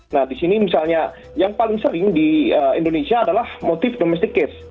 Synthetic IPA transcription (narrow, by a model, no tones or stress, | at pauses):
nahdisinimisalɲa | jaŋpalɪŋsəɾɪŋdiəindonesiaːdalahmot̪ɪfdomɛs̬t̪ikɪs